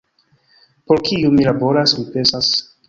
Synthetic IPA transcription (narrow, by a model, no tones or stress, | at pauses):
poɾkʰiumilabo̞ɾasmipe̞nsas